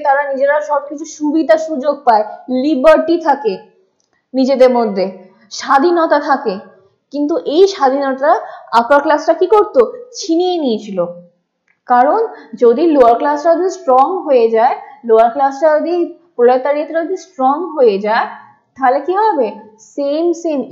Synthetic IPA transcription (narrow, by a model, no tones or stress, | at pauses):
t̪aɾanid͡ʑeɾaʃɔb̚kit͡ɕʰuʃubid̪ʱaʃud͡ʑoɡ̚paelibaɾʈit̪ʰake | nid͡ʑed̪eɾmod̪ʱːe | ʃad̪ʱinɔt̪at̪ʰake | kint̪̬uʔejʃad̪ʱinɔt̪aaapaɾklasʈakikoɾt̪ot͡ɕʰinijeniet͡ɕʰilo | kaɾond͡ʑod̪iloaɾklasɾaod̪isʈɾɔŋɦoed͡ʑaeloaɾklasɾaod̪i | pɾolat̪ːaɾiet̪eɾod̪ʱisʈɾɔŋɦoed͡ʑae | t̪ʰalekiɦabe | semsem